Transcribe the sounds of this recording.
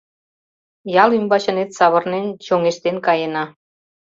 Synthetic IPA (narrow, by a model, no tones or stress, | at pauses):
jɑlymbɑt͡ɕə̆net̪sɑβɤ̆rnent͡ɕoŋeʃt̪enkɑjenɑ